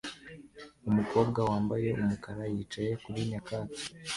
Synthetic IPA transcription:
umuko̞ːbɡawaːmbaje̞umukaɾajiːt͡ʃaje̞kuɾiɲakaːti̥

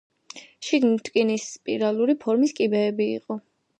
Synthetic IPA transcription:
ʃid̪nit̪ʼkʼinispʼiɾalˠuɾipʰɔɾmiskʼibɛːbiḭqʼɔ

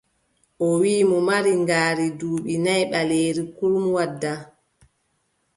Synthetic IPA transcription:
ʔɔwiːmɔmaɾiŋɡaːɾiduːɓinajɓaleːɾikulmwadːa

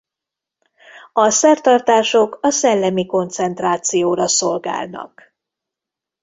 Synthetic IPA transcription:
ɒsɛrt̪ɒrt̪aːʃo̞kɒsɛlːɛmiko̞nt̪sɛnt̪raːt̪sijoːɾɒso̞lɡa̰ːlnɒ̰k

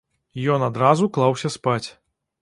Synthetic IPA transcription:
jɔnad̪ɾazuklˠawsʲɐspat͡sʲ

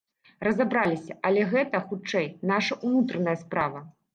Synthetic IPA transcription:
rɐzabɾalʲisʲɐʔɐlʲɛɣɛt̪ɐxut͡ʂɛjnaʂɐʔunut̪ɾɐnɐjɐspɾavɐ

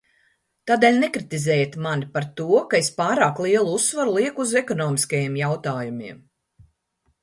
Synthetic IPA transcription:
t̪aːd̪eːlʲnɛkɾit̪izɛːjat̪manipaɾt̪uɔkaespaːɾaːklˠiɛlˠuusːvaɾulˠiɛkuzɛkɔnɔːmiskajeɛmjawt̪aːjumiɛm

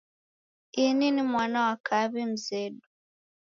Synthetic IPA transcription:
ininimwaːnawakʰaβim̩zedu

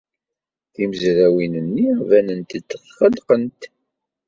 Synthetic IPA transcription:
θiməzɾæwinənːivænənt̪əd̪θχəlqənt̪

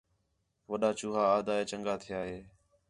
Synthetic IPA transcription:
ʋəɗaːt͡ʃuːɦaːd̪aːeːt͡ʃəŋɡaːt̪ʰɪjaːɦeː

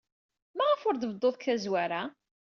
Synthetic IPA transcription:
mæʁəfʊɾd̪əvd̪ˤːoðˤkæzwæɾa

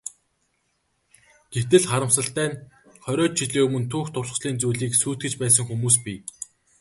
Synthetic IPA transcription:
ɡ̥et̪ɘ̆ɮχaɾə̆msə̆ɬt̪æːn | χœɾʲɔːt͡ɕt͡ɕʰiɮeːmɵ̆nt̪ʰuːxt̪ʰʊrs̆sɮiːnt͡sujɮiːksuːt̪̚ɡɘ̆t͡ɕpæːs̬ə̆ŋxumuːs̬pi

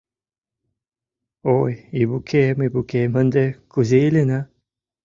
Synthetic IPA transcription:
ojibukʰemibukemənd̪ekuzeilena

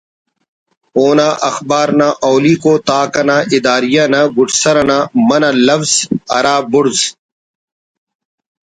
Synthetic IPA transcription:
oːnaːʔɐxbaːɾnãːʔoːliːkoːt̪aːkɐnaːʔɪd̪aːɾijaːnaɡʊʈʰsɐɾɐnaːmɐnaːlɐfz̥ɐ̰ɾaːbʊɾz

